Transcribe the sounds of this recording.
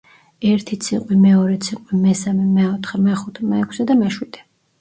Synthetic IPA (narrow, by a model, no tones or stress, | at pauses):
ɛɾt̪ʰit̪sʰiqʼwimɛɔɾɛt̪sʰiqʼwimɛsamɛmɛɔt̪ʰχɛmɛχut̪ʰɛmɛɛkʷʰsɛd̪amɛʃwid̪̥ɛ